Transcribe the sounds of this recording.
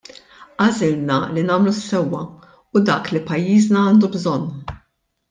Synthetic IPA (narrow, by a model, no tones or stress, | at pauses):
ʔɐzɪlnɐlinɐːmlusːɛwːɐ | ʊd̪ɐːklipɐjːiːznɐɐːnd̪ubzɔnː